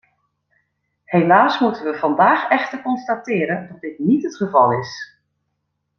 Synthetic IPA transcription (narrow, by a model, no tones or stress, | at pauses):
helaːsmutənʋəv̥ɑndaːxɛxtərkɔnstatɪːəɾəndɑt̚dɪtnitətχəvɑlˠɪs